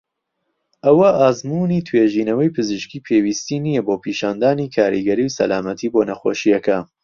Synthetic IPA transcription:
ʔɐwɐʔaːzmuːniːt̪ʰweːʒiːnɐwɐjpʰɨzɨʃkiːpʰewiːst̪iːnijɐboːpʰiːʃaːnd̪aːniːkʰaːɾḭɡɐɾiwsɐ̰laːmɐt̪ʰiːboːnɐxoːʃijɐkɐ

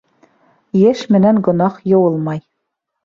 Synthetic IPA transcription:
jæʃmɘ̆næŋɡŏnɑχjɤ̆wɤlˠmɑj

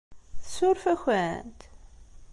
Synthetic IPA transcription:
θəsʊɾfæçænt̪

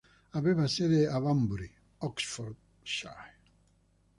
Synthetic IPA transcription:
avevaseðeavambuɾi | ɔksfɔɾd̪ | ʃa̰j

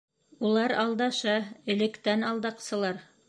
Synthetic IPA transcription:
ulˠɑɾɑlˠd̪ɑʃɑɘ̆lɘ̆kt̪ænɑlˠd̪ɑqsɤ̆lˠɑɾ

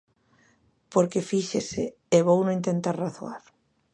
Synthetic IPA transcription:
poɾkefiʃese | eβownõĩnt̪ẽnt̪aɾraθoa̰ɾ

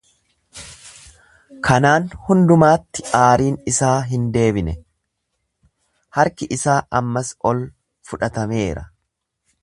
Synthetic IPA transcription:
kʰɐnaːnhʊnd̪ʊmaːt̪ːɪ̥aːɾiːnɪsaːɦɪnd̪e̞ːbɪnɛ | hɐɾkɪʔɪsaːʔɐmːɐsɔl | fʊᶑɐt̪ɐme̞ːɾɐ

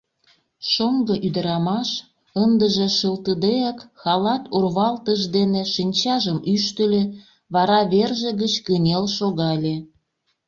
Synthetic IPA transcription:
ʃoŋɡɤ̆ʔyd̪ə̆ɾɑmɑʃ | ənd̪əʒĕʃəlt̪əd̪eɑkxɑlɑt̪urβɑlt̪əʃd̪eneʃinʲt͡ɕɑʒəmyʃt̪ə̆lʲe | βɑɾɑβerʒeɣət͡ɕkənʲelʃoɣɑlʲe

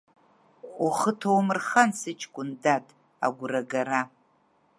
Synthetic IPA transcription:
uχətʰowmɨrχansɨt͡ʃʰʼɡʷʼʊndatʼ | a̰ɡʷʊraɡaɾa

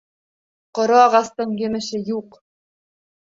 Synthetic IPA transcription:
qŏɾoɑʁɑst̪ɤɴjɘ̆mɘ̆ʃɘjuq

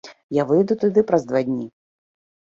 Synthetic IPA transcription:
javɨjd̪ut̪ud̪ɨpɾɐzd̪vad̪ʲnʲi

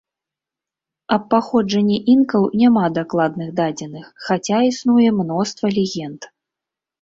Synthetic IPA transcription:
ɐpːaxɔd͡ʐɐnʲːɛʔinkɐwnʲamad̪aklˠad̪nɨɣd̪ad͡zʲɛnɨxːat͡sʲaisnujɛmnɔst̪vɐlʲɛɣʲɛnt̪

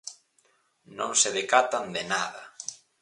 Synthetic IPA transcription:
nõŋseðekat̪and̪enaðɐ

